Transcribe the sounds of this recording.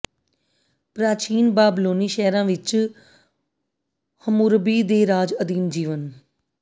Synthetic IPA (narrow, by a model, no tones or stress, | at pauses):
pɾaːt͡ʃiːnbaːbloːniːʃɛːɾãːʋɪt͡ʃ | həmuːɾbiːd̪eːɾaːd͡ʒəd̪iːnd͡ʒiːʋən